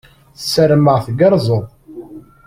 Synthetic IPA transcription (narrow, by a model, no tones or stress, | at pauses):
θəsːəɾməʁθɡəɾˤzˤəðˤ